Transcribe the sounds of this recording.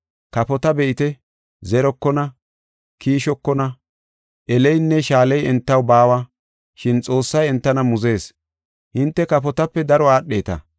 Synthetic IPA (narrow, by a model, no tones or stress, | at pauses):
kɐpɔt̪ɐbɛʔɪt̪ɛ | zɛɾɔkːɔnɐ | kʰiːʃɔkːɔnɐ | ʔɛlɛjnːɛʃaːlɛjɛnt̪ːɐwbaːwɐ | ʃɪnt͡sʼo̞ːsːɐjɛnt̪ːɐnɐmʊze̞ːs | hɪnt̪ːɛkɐpɔt̪ɐpːɛd̪ɐɾɔaːɗːe̞ːt̪ɐ̰